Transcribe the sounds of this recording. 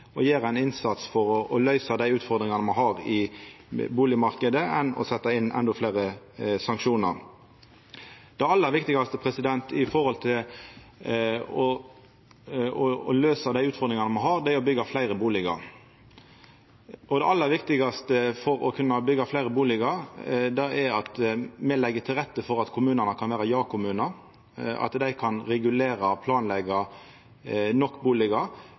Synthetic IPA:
ɔjeːɾæɪnɪnsɑt̪sfɔɾɔɔlœʏsɑd̪æɪʉːt̪fɔɾd̪ɾɪŋɑnəmɑnɦɑɾɪ | buːlɪmɑɾkəd̪əʔɛnɔ̰sɛt̪ːɑɪnːʔɛ̰nd̪ɔflæɪɾəsɑŋkʃuːnə̰ɾ | d̪̥ɛɑlːəæɾʋɪkt̪ɪɡɑst̪əpʰɾɛsɪd̪ɛnt̪ɪfɔɾhɔlt̪ʰɪl | ɔ | ɔːløːsɑd̪æɪʉːt̪fɔʁd̪ɾɪŋɑnəmɑnɦɑɾd̪ɛæɾɔbʏɡɑflæɪʁəbuːlɪɡɑ̰ɾ | ʔɔd̪ɛʔɑlːəɾʋɪkt̪ɪɡɑst̪əfɔɾɔkʰʉnːɑbʏɡːɑflæɪɾəbuːlɪɡɑd̪ɛɛɾɑt̪mɛlɛɡːət̪ʰɪlʁɛt̪ːəfɔɾɑt̪kʰʊmʉːnənəkʰɑnʋæːɾɑjɑːkʰʊmʉːnəɾ | ɑ̰t̪d̪æɪkʰɑnɾɛɡʉleːɾɑpʰlɑːnlɛɡɑ | nɔkːbuːlɪɡɑ

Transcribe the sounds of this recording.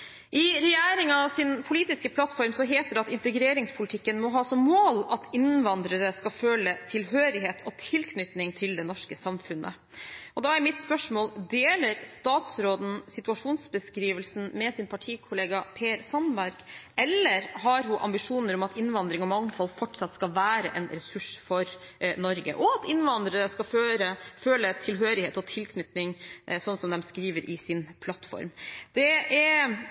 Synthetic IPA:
ʔɪɾɛjæːɾɪŋɑʋsɪnpʰʊliːt̪ɪskəpʰlɑt̪fɔɾmsɔɦeːt̪əd̪ɛɑt̪ɪnt̪əɡɾeːɾɪŋspʰʊlɪt̪ʰɪkːənmɔɦɑːsɔmːoːlɑt̪ɪnʋɑnd̪ɾəɾəskɑføːlət̪ʰɪlɦøːɾɪɦeːt̪ʰɔt̪ʰɪlkʰnʏt̪nɪŋt̪ʰɪld̪ɛnɔʂkəsɑmfʉnʔə̰ | ʔɔd̪ɑæɾmɪt̪spœʂmoːld̪eːləɾst̪ɑːt̪sɾoːd̪n̩sɪt̪ʉɑʂuːnsbəskɾiːʋəlsn̩mɛsɪnpʰɑʈʰiːkʰʊleːɡɑpʰeːɾsɑnbæɾɡ̥ɛlːəɾɦɑɾɦʊʔɑ̰mbɪʂuːnəɾɔmɑt̪ɪnʋɑnd̪ɾɪŋɔmɑŋːfɔlːfɔʈsɑt̪skɑlʋæːɾə̰ʔɛnɾɛsʉʂfɔɾ | nɔɾɡə̰ʔɔɑt̪ɪnʋɑnd̪ɾəɾəskɑføːɾəføːlət̪ʰɪlɦøːɾɪheːt̪ɔt̪ʰɪlkʰnʏt̪nɪŋsɔnːsɔmd̪ɛmskɾiːʋəɾʔɪsɪnpʰlɑt̪fɔ̰ɾmd̪ɛɛɾ

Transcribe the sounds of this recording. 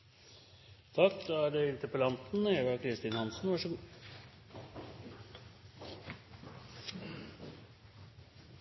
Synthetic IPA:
t̪ʰɑkd̪ɑːæɖɛɪnt̪əpəlɑnt̪n̩eʋɑkʰɾɪst̪ɪnhɑnsn̩ʋɑʂəɡuː

